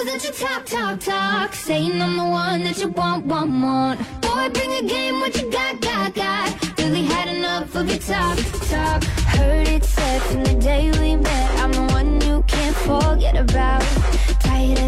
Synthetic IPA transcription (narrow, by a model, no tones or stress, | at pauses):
ʌzʌt͡ʃɨtʰɑk̚tʰɑk̚tʰɔkseɪɪ̃ŋnʌ̃mbə˞wʌ̃nðɨt͡ʃəwõnwʌ̃nmʌ̃noaɪbɹɪ̃ŋɨɡẽɪ̃mwʌt͡ʃɨɡɑt̚ɑɡ̥ɑt̚ɹɪlˠiɨɾɨnʌfʌðɨtʰɑktʰɔkhɜ˞ɾɪtsɛfɨ̃nðɨdeɪlimɛ̃ɾãɪ̃məwʌ̃nnjɨkʰæ̃ntfəɡɛɾɨbaʊt̚ | tʰaɪɨ